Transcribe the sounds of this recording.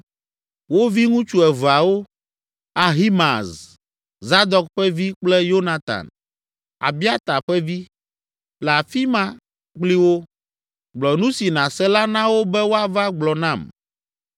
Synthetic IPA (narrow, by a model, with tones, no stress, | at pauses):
wo˦vi˦ŋũ˦t͡ʃu˦ɛ˨vu˨a˨wo˦ | a˨ɦi˦ma˨z | za˦d̪ɔ˨kɸɛ˦vi˦k͡plɛ˦jo˦nã˦t̪a̰˨n | a̰˨bi˦a˦t̪a˨ɸɛ˦vi˦ | la˨fi˦mã˦ | k͡pli˦wo˦ | ɡ͡blɔ˨nũ˦si˨nã˨sɛ˦la˦nã˦wo˦bɛ˦wo˦a˦va˦ɡ͡blɔ˨nã˦˨m